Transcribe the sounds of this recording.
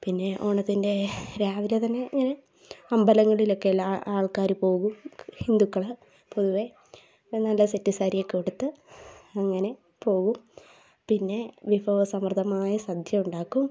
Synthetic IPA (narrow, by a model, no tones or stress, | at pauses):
pinːe̞ʔoːɳɐt̪ːindeɾaːʋilet̪ɐnːe̞ɐŋːɐne̞ | ɐmbɐlɐŋːɐɭilo̞kːeɐlːaaːɭkaːɾupo̞ːɣumhind̪ukːɐɭ | poðuʋe | nːɐlːɐsetːisaːɾijekːoɽut̪ːɨɐŋːɐne̞ | po̞ːɣum | pinːe̞ʋifoːʋɐsɐmrd̪ʰʱɐmaːjɐsɐd̪ʱjɐuɳɖaːkːum